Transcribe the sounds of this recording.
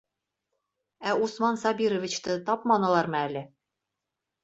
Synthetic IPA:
æusmɑnsɑbiɾŏvʲit͡ɕt̪ɤt̪ɑpmɑnɤ̆lˠɑɾmɤælɘ

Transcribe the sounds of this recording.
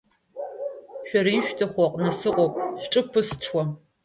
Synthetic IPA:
ɕʷɔɾiːʃʷᶣtʰɨχʷɔqnɐsɨqʷʼɔp̚ʼɕʈ͡ʂʼɨpʰɨsʈ͡ʂʰwɔm

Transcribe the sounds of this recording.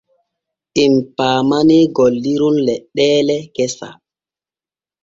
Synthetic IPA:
ʔimpaːmaniɡɔlːiɾunlɛɗːɛːlɛkɛsa̰

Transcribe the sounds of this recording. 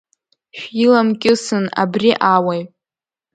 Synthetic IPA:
ʃᶣilamkʲʼɪsɨna̰briʔawaj

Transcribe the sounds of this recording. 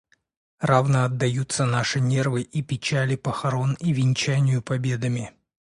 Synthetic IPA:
ravnəɐd̪ːɐjut̪sənaʂɨnʲervɨʔipʲɪt͡ɕælʲɪpəxɐɾo̞nivʲɪnʲt͡ɕænʲɪjʊpɐbʲe̞d̪əmʲɪ

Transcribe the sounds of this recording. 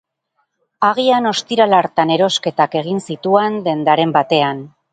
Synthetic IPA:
aɣ̞iano̞st̪iɾalaɾt̪ane̞ɾo̞ske̞t̪ake̞ɣ̞insit̪ue̞nd̪e̞nd̪aɾe̞mbat̪e̞an

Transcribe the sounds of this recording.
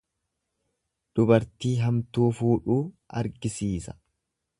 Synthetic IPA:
d̪̥ʊbɐɾt̪iːɦɐmt̪uːfuːᶑuː | ɐ̰ɾɡɪsiːsɐ̥

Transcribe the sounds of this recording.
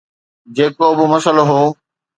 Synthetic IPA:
d͡ʑeːkobʊmɐsəloɦoː

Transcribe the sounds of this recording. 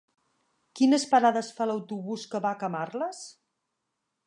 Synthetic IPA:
kinəspəɾaðəsfaləwt̪uβuskəβakəmarləs

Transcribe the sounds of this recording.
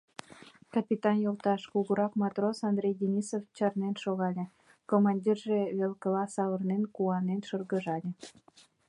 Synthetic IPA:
kɑpʲit̪ɑnjolt̪ɑʃkuɣəɾɑkmɑt̪rosɑnd̪ɾʲejd̪ʲenʲisoft͡ɕɑrnenʃoɣɑlʲe | komɑnʲdʲirʒeβelkəlɑsɑβərnenkuɑnenʃərɣəʒɑlʲĕ

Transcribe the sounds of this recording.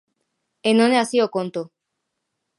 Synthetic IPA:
enoneasiokont̪o

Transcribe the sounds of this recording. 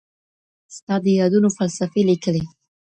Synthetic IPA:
st̪ɑd̪əjɑd̪unofalsafelikəle

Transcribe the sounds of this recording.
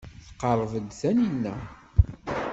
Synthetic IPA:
θə̥qːɑɾˤvəd̪θæninːæ

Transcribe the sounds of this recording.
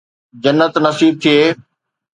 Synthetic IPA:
d͡ʑɐnːət̪nɐsiːb̚t̪ʰieː

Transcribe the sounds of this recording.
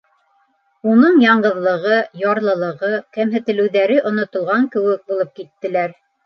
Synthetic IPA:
unɤɴjɑɴɢɤ̆ðlˠɤ̆ʁɤjɑɾlˠɤ̆lˠɤ̆ʁɤkæmɦɘ̆t̪ɘ̆lɘ̆wðæɾɘʔŏnŏt̪ŏlˠʁɑŋkɘ̆wɘk̚bulˠɤp̚kit̪ːɘ̆læɾ

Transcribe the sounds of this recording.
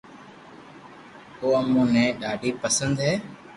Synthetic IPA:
oːəmũːnɛ̃ːɗaːɖʱiːpəsənd̪ɦɛː

